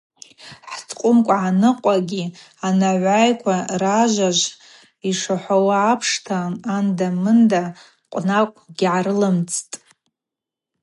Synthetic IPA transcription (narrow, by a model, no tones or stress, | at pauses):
ħt͡sʰqʷʼʊmkʷʼaʕanɨqʷʼaɡʲi | anaʕʷajkʷʰaraʒʷaʒʷ | iʂaħʷawaːpʰʂtʰaːndamɨnda | qʷʼnakʷʼɡʲʕaɾɨlɨmt͡sʰtʼ